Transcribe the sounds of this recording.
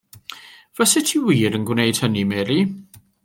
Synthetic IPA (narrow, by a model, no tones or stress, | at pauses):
v̥əsɛtʰiːwiːɾənɡwnejd̥hənimɛːɾi